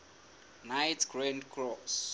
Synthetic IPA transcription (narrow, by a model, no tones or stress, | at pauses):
najtɡ̥ɹãndkʰɹɔs